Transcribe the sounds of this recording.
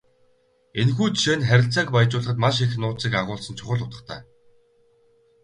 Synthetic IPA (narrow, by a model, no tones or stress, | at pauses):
enxuːt̪ʃeːnχæɾʲɪ̆ɬt͡saːkpajt͡ɕʊːɮə̆χə̆t̪maʃ̬exnʊːt͡siːkaʁʊːɮsə̆nt͡ɕʰʊ̥χə̆ɮʊt̪ə̆χt̪ʰæː